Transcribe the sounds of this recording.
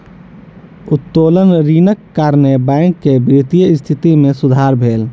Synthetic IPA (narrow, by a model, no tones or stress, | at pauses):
ʊt̪ːoːlənɾiːnəkːaːɾnebɛ̃ŋkːebɾit̪ijəɪst̪ʰɪt̪imẽsʊd̪ʱaːɾbʱeːl